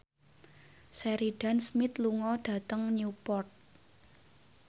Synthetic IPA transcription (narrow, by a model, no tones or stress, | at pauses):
sɛɾiɖ̥a̤nsmɪt̪luŋɔɖ̥ä̤t̪əŋnupɔrt̪̚